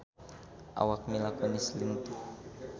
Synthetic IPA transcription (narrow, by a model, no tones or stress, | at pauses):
ʔa̰wak̚milakɔnisliŋt̪u